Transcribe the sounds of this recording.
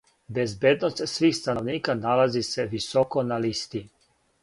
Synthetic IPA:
bezbjed̪nost̪sʋiːxst̪anoʋniːkanalazise̞ʋisoko̞nalist̪i

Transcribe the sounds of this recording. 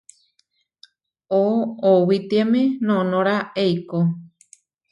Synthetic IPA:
oːwit̪iamẽnõnõɾaejko

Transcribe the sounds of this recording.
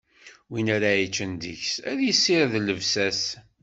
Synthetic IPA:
winaɾajit͡ʃːənd̪ḭçsæðjisːiɾðləvsæs

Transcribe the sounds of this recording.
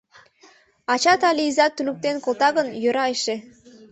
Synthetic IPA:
ɑt͡ɕɑt̪ɑliizɑt̪ːynuk̚t̪enkolˠt̪ɑɣənjøɾɑeʃe

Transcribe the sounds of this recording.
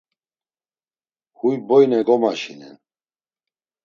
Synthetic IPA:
hujbɔjnɛɡɔmaʃinɛ̰n

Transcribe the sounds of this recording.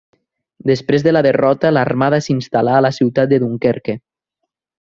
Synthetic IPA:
d̪espɾezðəlaðerɔt̪alarmaðasinst̪alaːlasiwt̪at̪̚d̪eðuŋkeɾke

